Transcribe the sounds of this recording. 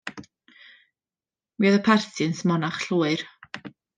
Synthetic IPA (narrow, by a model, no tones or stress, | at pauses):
wiːəðəpʰarθʰɨnsmɔnaχɬuːɨr